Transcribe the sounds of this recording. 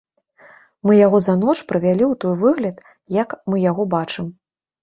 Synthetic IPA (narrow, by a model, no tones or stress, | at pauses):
mɨjaɣɔzɐnɔt͡ʂpɾɨvʲalʲiwt̪ɔjvɨɣlʲɐt̪ | jɐkmɨjaɣɔbat͡ʂɨm